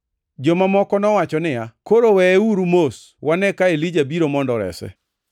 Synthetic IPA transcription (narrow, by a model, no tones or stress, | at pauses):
d͡ʒomamɔkɔnɔwat͡ʃɔnɪjakoɾowɛeuɾumos | wanɛkaelid͡ʒabiɾomɔndɔɾɛ̰sɛ̰